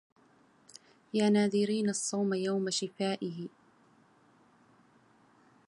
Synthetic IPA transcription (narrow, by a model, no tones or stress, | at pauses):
jaːnaːðɪɾiːnasˤːɑwmajawmaʃɪfaːʔɪɦɪ